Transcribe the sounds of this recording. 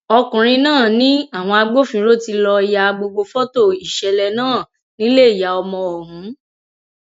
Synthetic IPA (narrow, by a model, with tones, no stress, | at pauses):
ɔ˧kũ˨ɾ̃ĩ˧nãː˦˨nĩ˦a˦˨w̃ɔ̃˧a˧ɡ͡bo˦fĩ˧ɾo˦ti˧lɔ˧i˨ja˧ɡ͡bo˧ɡ͡bo˧fɔ˦to˦˨i˨ʃɛ˧lɛ˧nãː˦˨ | nĩ˦le˦i˦˨ja˨ɔ˧mɔ̃˧ɔ˨ɦũ˨˦